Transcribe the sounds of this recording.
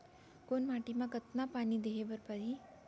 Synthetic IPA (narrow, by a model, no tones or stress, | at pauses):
konmaːʈimãkət̪napaːnid̪eɦebəɾpəɾi